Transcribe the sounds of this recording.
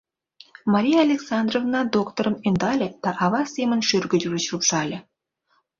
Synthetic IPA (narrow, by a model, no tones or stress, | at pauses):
mɑɾʲijaɐlʲeksɑnd̪rovnɑd̪okt̪oɾə̆nind̪ɑlʲə̆d̪̥ɑʔɑvɑsʲemɘ̆nʃørɡʲɘ̆d̪ʲyɡʲɘ̆t͡ɕupʂɑlʲə̆